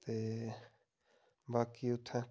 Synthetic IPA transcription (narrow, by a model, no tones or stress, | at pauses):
t̪eː | baːkiʊt̪ʰːã